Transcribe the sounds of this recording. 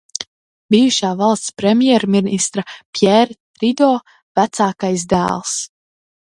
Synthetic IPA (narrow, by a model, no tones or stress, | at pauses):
bijuʃaːvɑlˠst̪spɾɛmjɛɾminist̪ɾapʲjɛɾ | ɾid̪ɔː | væt̪saːkajsd̪æ̰ːlˠs